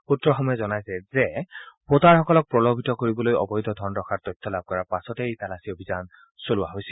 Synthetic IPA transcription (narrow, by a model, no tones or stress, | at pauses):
utːɹɔxɔmɔjɛzɔnajsɛzɛpotaɹxɔkɔlɔk̚pɹɔlobʱitɔkoɹibɔlojɔ̰bɔjdʱɔd̪ʱɔɹnɹɔkʰaɹtɔjtʰːɔlab̚kɔɹapasɔtɛtalasiobʱizan | solʊwaɦojsil